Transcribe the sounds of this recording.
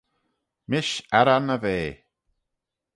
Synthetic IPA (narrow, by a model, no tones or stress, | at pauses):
mɪʃaɾanəveː